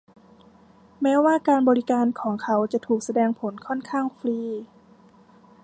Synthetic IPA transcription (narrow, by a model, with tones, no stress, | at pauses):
mɛː˦˥waː˥˩kaː˧nbɔː˧ɾi˦˥kaː˧nkʰɔː˩˦ŋkʰa˦˥wt͡ɕa˨˩t̪ʰuː˨˩k̚sa˧dɛː˧ŋpʰo˩˦nkʰɔ˥˩nkʰaː˥˩ŋfɾiː˧